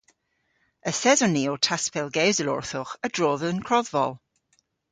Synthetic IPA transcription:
əsɛzɔniotʰaspɛlˠɡewzəlʊ̰ɹθʊχəd̥ɹoːðəənkʰɹ̥ɔðvɔlˠ

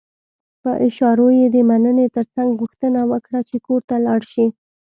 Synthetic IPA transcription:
pə̰ʔɪʃɑɾojed̪əmanənet̪əɾt͡saŋɡɣuxt̪ənawəkɽat͡ʃekoɾt̪alɑɽʃi

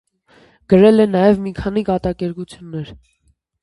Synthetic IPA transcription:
ɡ̥əɾɛlɛnɑjɛvmikʰɑnikɑt̪ɑkɛɾkut͡sʰjunːɛɾ

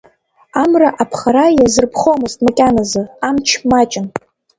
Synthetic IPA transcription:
amraʔapʰχaɾajazɨrpʰχomɨztʼmakʲʼanazɨamt͡ʃʰmat͡ʃʼɪn

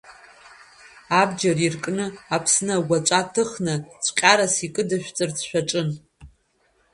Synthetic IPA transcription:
abd͡ʒarirkʼnɨapʰsnaɡʷat͡ʃʷʼatʰɨχnat͡sʷʰʼqʲʼaɾasikʼɨdɨʃʷᶣt͡sʼɨrt͡sʃʷᶣaʈ͡ʂʼɨn

